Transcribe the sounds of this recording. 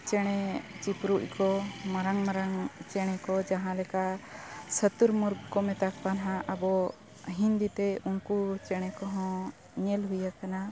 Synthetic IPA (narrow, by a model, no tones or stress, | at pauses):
t͡ʃɛɽ̃ɛt͡ʃipɾuʔ̚kɔmaɾaŋmaɾaŋt͡ʃɛɽ̃ɛkɔd͡ʒaɦãlɛkaʔsət̪uɾmuɾɡkɔmɛt̪ak̚panɦãʔəbɔ | ɦind̪it̪ɛunkut͡ʃɛɽ̃ɛkɔɦɔ̃ | ɲɛlɦujakana